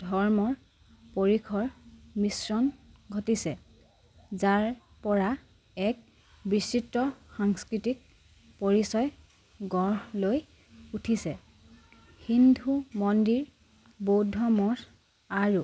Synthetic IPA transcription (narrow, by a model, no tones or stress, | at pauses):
dʱɔɹmɔɹ | poɹikʰɔɹmisɹɔnɡʱotisɛ | zaɹ | pɔɹa | ɛk̚ | bisitːɔxaŋskɹitik̚ | poɹisɔj | ɡɔɹloj | utʰisɛ | hindʱumɔndiɹ | bowdʱɔmɔɹ | aɹu